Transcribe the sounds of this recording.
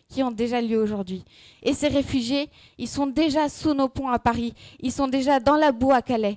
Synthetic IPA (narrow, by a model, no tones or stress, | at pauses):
kʲiɔ̃d̪eʒaljøoʒuʁd̪ɥi | eseʁefyʒje | ilsɔ̃d̪eʒasunopɔ̃apaʁiilsɔ̃d̪eʒad̪ɑ̃labuakalɛ